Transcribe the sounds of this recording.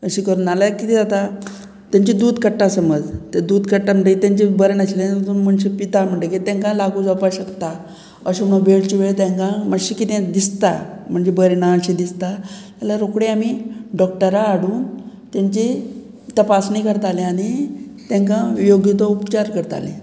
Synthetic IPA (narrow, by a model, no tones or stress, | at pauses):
əɕikəɾuːnalakit̪id͡zat̪a | t̪jãɲt͡ɕid̪uːd̪kəʈːãsəməd͡zt̪ed̪uːd̪kəʈːam̤əɳʈet̪jãɲt͡ɕibəɾnaɕileut̪unm̤əɳɕipit̪am̤əɳʈekit̪ɛ̃ŋkãlaɡũd͡zapaɕəkt̪a | əɕomnəbʱeɽt͡ɕiʋeɭt̪ɛ̃ŋkãməɕikit̪ẽd̪ist̪a̰m̤əɳd͡zebəɾnaəɕid̪ist̪at̪alaɾokɽeamiɖɔk̚ʈəɾaːɽuːn | t̪aɲt͡ɕi | t̪əpasnikəɾt̪alẽaɽ̃it̪ɛ̃ŋkãʋijoɡit̪ɔupt͡ɕaɾkəɾt̪a̰lḛ̃